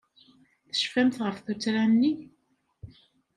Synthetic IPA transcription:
θə̥ʃfæmθʁəfθut͡sɾæmnːi

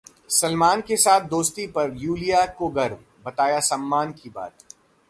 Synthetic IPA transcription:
sɐlmaːnkesaːt̪̚ʰd̪oːst̪ipɐɾjuːlijakoɡɐɾm | bɐt̪aːjasɐmːaːnkiba̰ːt̪

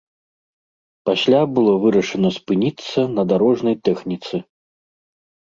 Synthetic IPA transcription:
pasʲlʲabɨlˠɔvɨɾɐʂɐnɐspɨnʲit̪sːɐnɐd̪aɾɔʐnɐjt̪ɛxnʲit̪sɨ

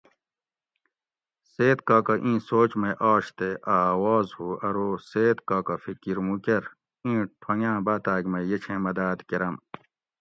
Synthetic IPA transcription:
seːt̪kaːkɐʔĩːsoːt͡ɕmɐʔaːɕt̪eʔaːwɔːzhuɐɾoːseːt̪kaːkɐfikiɾmũkeɾ | ĩːʈʰɐŋãːbaːt̪aːɡmɐjet͡ɕʰẽmɐd̪aːd̪keɾɐm

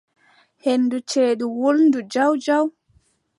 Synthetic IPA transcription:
henːdut͡ʃeːɗuwolndud͡ʒawd͡ʒaw

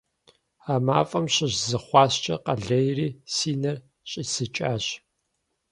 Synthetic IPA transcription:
aːma̰ːfʼɐmɕɪʑzɨχʷɑːɕt͡ʃʼɐ̰qɐɮɐjriːsiːnɐr | ɕʼisɨt͡ʃʼaːɕ

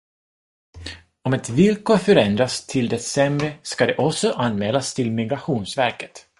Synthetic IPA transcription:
ɔmɛt̪vɪlkoːɾfœɾɛnd̪ɾast̪ʰɪld̪ɛsɛmɾəskad̪ɛʔɔsɔʔanmɛːlast̪ʰɪlmɪɡɾaɧuːnsvæɾkə̥t̪

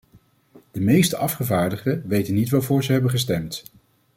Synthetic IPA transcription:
d̥əmejstəʔɑfχəvaːɹdəχəʋejtənːitʋaːvʊːɹzəɦɛbənχəstɛmt

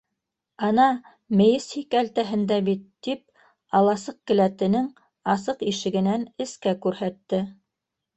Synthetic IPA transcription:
ɑnɑ | mɘ̆jɘshikælt̪æɦɘ̆nd̪æbit̪ːip̚ | ɑlˠɑsɤq̚kɘ̆læt̪ɘ̆nɘŋ | ɑsɤqiʃɘ̆ɡɘ̆nænɘ̆skækʉɾhæt̪ːɘ

